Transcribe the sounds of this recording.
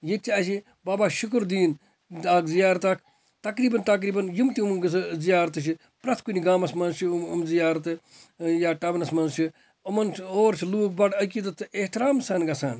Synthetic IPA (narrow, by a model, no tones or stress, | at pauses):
jet͡ʃʰaːʃi | baːbaːʃukɾd̪iːn | aːkzijaːɾt̪aːkʰ | t̪ɐkɾiːbɐnt̪ɐk̬ɾiːbɐnjumt̪iumɡszijaːɾt̪ɨt͡ʃ̬i | pɾɐt̪ʰkuniɡaːmɐsmɐnzt͡ʃʰiumzijaːɾɐt̪ɨ | jaːʈɐʋɐnɐsmɐnzt͡ʃʰi | ɐmɐnoːɾt͡ʃʰiluːk̚bɐʈɐkiːt̪ɐt̪ɨeht̪iɾaːmsɐːnɡɐsaːn